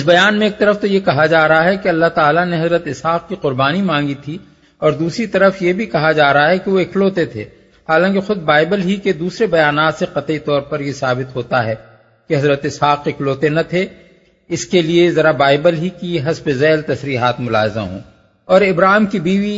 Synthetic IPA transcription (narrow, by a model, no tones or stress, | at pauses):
ɪsbɐjaːnmẽeːk̚t̪ɐɾəft̪ojekɐɦad͡ʒaːɾɐɦaɦɛkeɐlːaɦt̪aːlaneɦɐzɾət̪ɪshaːq̚kiqʊɾbaːnimãːŋɡit̪ʰi | ɔːɾd̪uːsɾit̪ɐɾəfjebʱikɐɦad͡ʒaːɾɐɦaɦɛkeʋoɪkloːt̪et̪ʰḛː | haːlãːk̬exʊd̪̚baːɪbəlɦiked̪uːsɾebɐjaːnaːt̪seqɐt̪it̪ɔːɾpɐɾjesaːbɪt̪ɦoːt̪aɦɛː | keɦɐzɾət̪ɪshaːqɪkloːt̪enɐt̪ʰe | ɪskeliezɐɾabaːɪbəlɦikiɦɐsbezɛːlt̪ɐsɾiːɦaːt̪mʊla̰ːɦza̰ɦõ̰ː | ɔːɾɪbɾaːɦɪmkibiːʋi